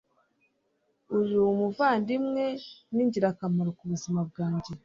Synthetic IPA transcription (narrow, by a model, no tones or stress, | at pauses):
ujumuvaːndimŋe̞niɲɟiɾakamaɾokuβuzimab̚ɡaːɲɟe̞